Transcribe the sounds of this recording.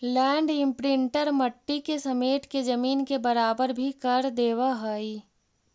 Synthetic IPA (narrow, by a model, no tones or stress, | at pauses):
lɛ̃ːɳɖɪ̃mpɾɪ̃ɳʈəɾməʈːikesɐmeːʈked͡ʒɐmiːnkebɐɾaːbəɾbʱikəɾd̪eːwaɦoi